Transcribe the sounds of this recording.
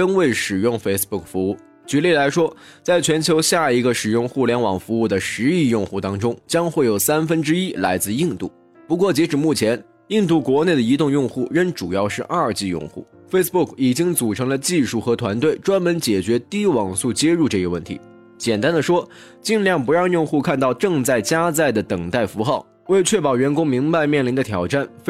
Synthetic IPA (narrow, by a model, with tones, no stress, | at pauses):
ə˥nwe˥˩ɪʂɻ̩˨˩jʊ˥˩ŋfe˥ɪs̩˧pu˥˩kfu˧˥u˥˩ | t͡ɕy˧˥le˥˩ɪla˧˥ɪʂwɔ˥t͡sa˥˩ɪt͡ɕʰɥɛ˧˥nt͡ɕʰjo˧˥ʊɕja˥˩i˧˥ɡə˧ʂɻ̩˨˩jʊ˥˧ŋxu˥˩ljɛ˧˥nwɑ˨˩ŋfu˧˥u˥˩d̪ə˩ʂɻ̩˧˥i˥˧jʊ˥˧ŋxu˥˩t̪ɑ˥ŋʈ͡ʂʊ˥ŋt͡ɕjɑ˥ŋxwe˥˩jo˨˩ʊsa˥nfə˥nʈ͡ʂɻ̩˥i˥la˧˥ɪt͡sɹ̩˥˧i˥˧ŋt̪u˥˩ | pu˧˥k̬wɔ˥˩t͡ɕjɛ˧˥ʈ͡ʂɻ̩˨˩mu˥˩t͡ɕʰjɛ˧˥n | i˥˧ŋt̪̬u˥˩kwɔ˧˥ne˥˩ɪd̪ə˩i˧˥t̪ʊ˥˧ŋjʊ˥˧ŋxu˥˩ɻə˥˩nʈ͡ʂu˨˩jɑ˥˧ʊʂɻ̩˥˧ʔa˞˥˧t͡ɕi˥˧jʊ̰˥˧ŋxṵ˥˩ | fe˥ɪs̩˧pu˥˩kʰi˨˩t͡ɕi˥ŋt͡su˨˩ʈ͡ʂʰɤ˧˥ŋlə˧t͡ɕi˥˧ʂu˥˩xɤ˧˥t̪ʰwa˧˥nt̪we˥˩ɪʈ͡ʂwa˥nmə˧˥nt͡ɕjɛ˨˩t͡ɕɥɛ˧˥t̪i˥wɑ˨˩ŋsu˥˩t͡ɕjɛ˥ɻu˥˧ʈ͡ʂɤ˥˩ɡə˧wə˥˩nt̪ʰḭ˧˥ | t͡ɕjɛ˨˩nt̪a˥nd̪ə˨ʂwɔ˥ | t͡ɕi˥˧nljɑ˥˩ŋpu˧˥ɻɑ˥˧ŋjʊ˥˧ŋxu˥˧kʰa˥˧nt̪ɑ˥˧ʊʈ͡ʂɤ˥˧ŋt͡sa˥˩ɪt͡ɕja˥t͡sa˥˩ɪd̪ə˩t̪ɤ˨˩ŋt̪a˥˩ɪfu˧˥xɑ˥˩ʊ | we˥˧ɪt͡ɕʰɥɛ˥˩pɑ˨˩ʊɥɛ˧˥nkʊ˥ŋmi˧˥ŋpa˥˧ɪmjɛ˥˩nli˧˥nd̪ə˧t̪ʰjɑ˨˩ʊʈ͡ʂa˥˩nf